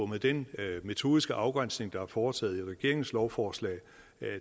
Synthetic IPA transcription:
meðˠd̥enme̝t͡sʰo̝ːðˠisɡ̥əʔɑ̈ʊɡ̥ʁan̰sne̝ŋd̥ɑ̈hæɐfɒːt͡sʰɛ̰ːð̞̩ˠiʁɛɡ̥e̝ɐ̰eŋ̩slɒʊfɒːslɛ̰ː | æ

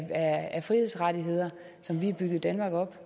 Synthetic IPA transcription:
ææfʁihe̝sʁɑd̥iɦe̝ð̰ˠɐ | sɒ̽mʋiæb̥yɡ̥ð̩ˠd̥ænmɑ̈ːɡ̥ɒ̽b̥

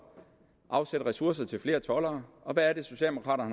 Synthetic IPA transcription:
ʔɑ̈ʊsed̥əʁɛsuɐs̬ɐt͡sʰe̝lfle̝ːɐt͡sʰɒ̽lɐːɒ̽ʋæːɐɾ̥e̝so̝ɕɛ̰ːd̥emokʰʁɑ̰̈ːɾɐhn

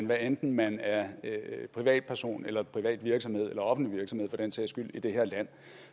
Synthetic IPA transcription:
nʋæend̥n̩mænæɐpʰʁiʋɛ̰ːd̥̚pʰæɐso̝̰ːnelɐpʰʁiʋɛ̰ːd̥ʋiɐɡ̥sɒ̽mhe̝ð̞̰ˠelɐɒ̽fn̩liʋiɐɡ̥sɒ̽mhe̝ðˠfɒd̥ensʰḛsɡ̥yl̰id̥e̝ɦeɐ̰læn̰

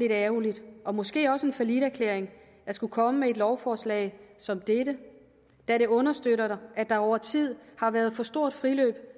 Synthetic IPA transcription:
liɾæʊlid̥ʔɒ̽mɔ̽sɡ̥e̝̰ːɒ̽səe̝nfælid̥æɐkʰleɐ̰eŋ | d̥ɑsɡ̥ukʰɒ̽məmee̝d̥lɒʊfɒːslɛ̰ːɪsɒ̽md̥ed̥ə | d̥æɾe̝ɔ̽nɐsd̥øɾɐɾɑ̈æd̥ɑ̈ɒʊ̰ɐt͡sʰið̞̰ˠhɑ̈ʋæɐð̞ˠfɒ̽sd̥o̝ɐ̰d̥fʁilø̰ːb̥

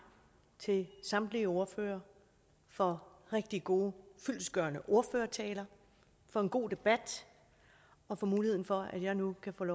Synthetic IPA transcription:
t͡sʰe̝lsɑ̈md̥liəo̝ɐfø̰ːɐ | fɒ̽ʁeɡ̥̚d̥iɡ̥o̝ːfyl̰sɡ̥ɶɐnəʔo̝ɐføːɐt͡sʰɛːlɐ | fɒ̽e̝nɡ̥o̝̰ːd̥e̝b̥æd̥ | ɒ̽fɒ̽muːliheð̰ˠn̩fɒ̽æd̥jɑ̈ɪnukʰæfɔ̰ːlɒ

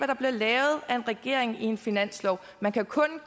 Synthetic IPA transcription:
æɾ̥ɑ̈b̥le̝lɛːʊð̞̩ˠæe̝nʁɛɡ̥e̝ɐ̰e̝ŋie̝nfinæn̰slɒʊ | mænkʰækʰɔ̽n

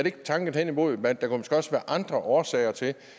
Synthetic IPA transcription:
æɐdeeɡ̥ət͡sʰɑ̈ŋɡ̥n̩ˠhen̰imo̝ð̩ˠmend̥ɑ̈kumonsɡ̥ɡ̥ɒ̽sʋæːɐʔɑ̈nd̥ʁɐʔɒːsɛ̰ɪɐt͡sʰe̝l

